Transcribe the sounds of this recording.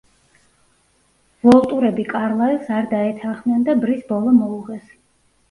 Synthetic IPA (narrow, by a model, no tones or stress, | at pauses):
vɔlˠt̪ʼuɾɛbikʼaɾlˠailˠsaɾd̪aɛt̪ʰaχmnɛnd̪abɾisbɔlˠɔmɔuʁɛs